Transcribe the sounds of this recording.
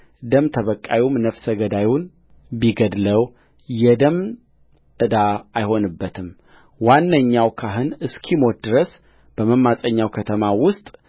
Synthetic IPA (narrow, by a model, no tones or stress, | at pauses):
d̪əmt̪ʰəβəkʼːawumnəfsəɡəd̪ajun | biɡəd̪ləw | jɛd̪əm | ɨd̪aajho̞nɨbːət̪ʰɨm | wanːəɲːawkʰaɦɨnɨskʰimot̪̚d̪ɨɾəs | b̥əməmːasʼəɲːawkʰət̪ʰəmawʊst̪ʼ